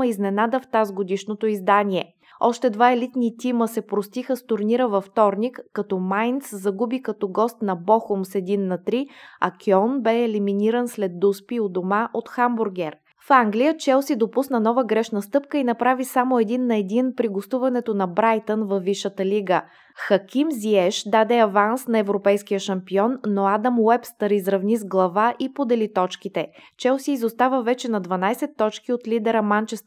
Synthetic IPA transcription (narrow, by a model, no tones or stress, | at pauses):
əiznɛnad̪əft̪azɡod̪iʃnot̪oizd̪aniɛ | ɔʃt̪ɛd̪vaɛlit̪nit̪iməsɛpɾost̪ixəst̪ʊɾniɾəvɐft̪ɔɾnikːɐt̪ɔmajnt̪szɐɡubikɐt̪ɔɡɔst̪nɐbɔxʊmsɛd̪inːɐt̪ɾiɐ̰kʲiɔnbɛɛliminiɾənslɛd̪̚d̪uspiod̪omaʔot̪xambʊɾɡʲɛɾ | faŋɡlijət͡ʃɛlˠsid̪opusnənɔvəɡɾɛʃnəst̪ɤpkəinɐpɾavisamoɛd̪inːɐɛd̪inpɾiɡost̪uvɐnɛt̪onɐbɾajt̪ənvɐvːiʃət̪əliɡə | xɐkʲimziɛʃd̪ad̪ɛɐvansnɐɛvɾopɛjskijəʃɐmpiɔnːoad̪əmwɛpst̪əɾizɾɐvnizɡlˠɐvaʔipod̪ɛlit̪ɔt͡ʃkit̪ɛt͡ʃɛlˠsiːzost̪avəvɛt͡ʃɛnɐd̪vɐnajsɛt̪ːɔt͡ʃkiot̪lid̪ɛɾəmant͡ʃɛst̪